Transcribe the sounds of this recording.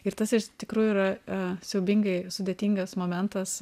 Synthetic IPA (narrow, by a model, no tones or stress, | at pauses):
ɪɾt̪ɐsɪʃt̪ʲɪkɾuːjuiːɾɐsʲɛʊbʲiŋɡɐɪsʊd̪ʲeːt̪ʲiːŋɡɐsmoːmʲɛnt̪ɐs